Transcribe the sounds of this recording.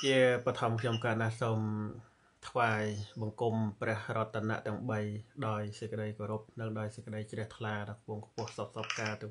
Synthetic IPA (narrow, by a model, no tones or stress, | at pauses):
t͡ɕiəpɑt̪ʰɑmkʰɲomkaːt̪nasoːm | t̪ʰʋaːjɓɑŋkumprɛ̆əhrŏət̪ʰːaːna̰ʔt̪ɛ̆əŋɓəjɗaɔjsəc̚kə̆ɗəjkoːɾup̚nɨŋɗaɔjsəc̚kə̆ɗəjt͡ɕrɛ̆əht̪ʰlaːɗakʰpʊŋkʰpʊ̆əhsok̚sɑp̚kaːt̪ɨə